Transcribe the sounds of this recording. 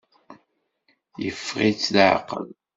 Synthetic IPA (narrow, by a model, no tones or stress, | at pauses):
jəfːʁit͡sːlʕə̰qːə̰l